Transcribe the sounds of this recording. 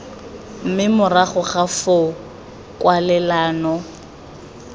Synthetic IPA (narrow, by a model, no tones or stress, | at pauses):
m̩mɪmʊraχʊχafo | kʼwalɛlaːnɔ